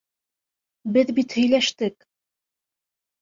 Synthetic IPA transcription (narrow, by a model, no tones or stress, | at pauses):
bɘðbit̪hɵ̆jlæʃt̪ɘk̚